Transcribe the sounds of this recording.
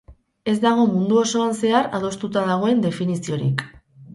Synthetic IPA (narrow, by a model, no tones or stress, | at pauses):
e̞zd̪aɣ̞o̞mund̪uo̞so̞anse̞aɾa̰ð̞o̞st̪ut̪aðaɣ̞o̞end̪e̞finisio̞ɾḭk